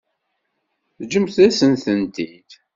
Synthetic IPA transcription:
θd͡ʒəmθæsənθənt̪id̪̥

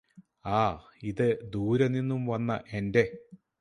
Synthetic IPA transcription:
aː | iðɨd̪uːɾɐninːumʋɐnːɐ̰ʔe̞nde̞

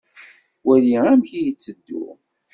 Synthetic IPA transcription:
wæliæmçijət͡sːəd̪ːʊ̰

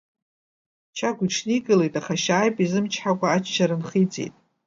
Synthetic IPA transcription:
t͡ʃʰaɡʷʊʈ͡ʂʰniɡɨlejtʼaχaʃaːjpʼizɨmt͡ʃʰħakʷʼaːt͡ʃʰt͡ʃʰaɾɨnχit͡sʼḛjtʼ

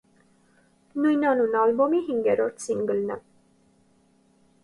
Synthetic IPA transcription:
nujnɑnunɑlbɔmiɦiŋɡɛɾɔɾt̪ʰsinɡəlnɛ̰

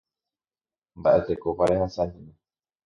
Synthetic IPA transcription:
mbaʔet̪ekopaɾehãsaɲĩna

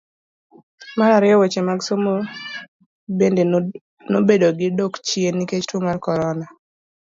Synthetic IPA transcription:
maɾaɾɪɔwet͡ʃemaɡsomo | bende | nobedoɡɪdokt͡ʃieniket͡ʃtomarkɔɾɔna

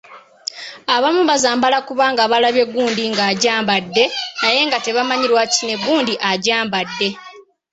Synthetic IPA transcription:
aβamuβazaːmbalakuβaːŋɡaβalaβje̞ɡːuːndiŋɡaːɟaːmbadːe̞naje̞ŋɡate̞βamaɲiɾwacine̞ɡːuːndiʔaɟaːmbadːe̞

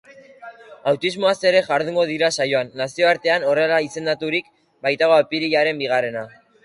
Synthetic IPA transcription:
awt̪izmo̞ase̞ɾe̞ʝaɾðuŋɡo̞ð̞iɾasajo̞anːasio̞aɾt̪e̞ano̞re̞laise̞nd̪at̪uɾik | bajt̪aɣoapiɾiʝaɾe̞mbiɣ̞are̞na

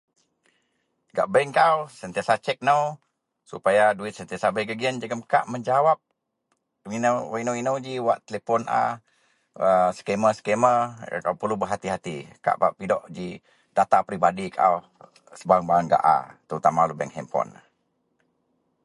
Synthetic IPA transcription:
ɡa̰ʔbɛŋkawsənt̪iasat͡ʃɛk̚nəw | supajaduɪt̪̚sənt̪iasabəjɡəɡiənd͡ʒəɡəmka̰ʔməɲd͡ʒawap̚ | inwainəwinəwd͡ʒiwaʔt̪əlepɔna̰ | əsə̥keməsə̥kemə̰kawpərlubəɦat̪iɦat̪ḭka̰ʔbaʔpidɔʔd͡ʒi | dat̪apɾibadikaa̰w | səbaaŋbaaŋɡa̰ʔa̰t̪əɾut̪amalubɛ̰ŋhɛ̰mpɔ̰n

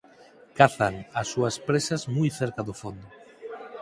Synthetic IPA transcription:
kaθaŋɐsːuɐspɾesɐzmujθeɾkaðʊfond̪ʊ

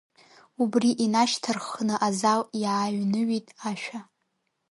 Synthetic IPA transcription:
ubriʔinaʃtʰɨrχnɨʔazaljʕaɥnɨɥitʼaʃᶣa

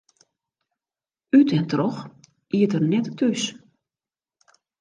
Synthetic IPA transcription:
ytɛntrɔx | iətərnɛttʰys

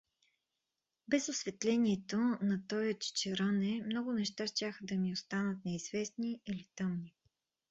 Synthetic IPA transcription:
bɛzosvɛt̪lɛniɛt̪onɐt̪ɔjot̪t͡ʃt͡ʃɛɾənɛmnɔɡʊnɛʃt̪aʃt̪ʲaxəd̪ɐmiost̪anət̪̚nɛiz̥vɛsniilit̪ɤmni

